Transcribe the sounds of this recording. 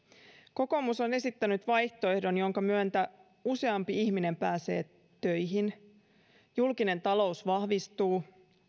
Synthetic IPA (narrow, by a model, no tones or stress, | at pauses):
ko̞ko̞muso̞ne̞sit̪ːænyt̪ʋɑjht̪o̞e̞hdo̞njo̞ŋkɑmyø̞nt̪æ | use̞ɑmpiiçmine̞mpæːse̞̰ː | t̪ø̞jɦin | julkine̞nt̪ɑlo̞usʋɑhʋist̪uː